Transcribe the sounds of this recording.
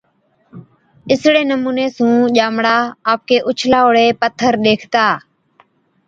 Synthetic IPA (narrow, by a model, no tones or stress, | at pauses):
ɪsɽeːnəmuːneːsũːʄaːmɽaːaːp̚keːʔʊt͡ʃʰlaːoːɽeːpət̪ʰːəɾɗ̪eːkʰt̪aː